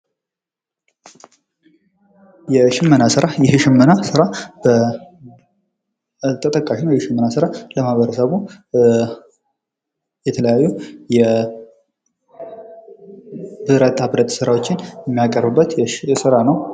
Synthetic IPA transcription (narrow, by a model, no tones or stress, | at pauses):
jɛʃɪmːənasɨɾajɛʃɪmːənasɨɾabə | t̪ʼət̪ʼəkʼːaʃinajɛʃɪmːənasɨɾaləmahβəɾəsəβu | jɛt̪ʰələjajːujɛ | bɨɾət̪ʼːabɾət̪ʼsɨɾawot͡ʃːɪnjɛmːijakʼəɾbɨbːət̪jɛsɨɾanəw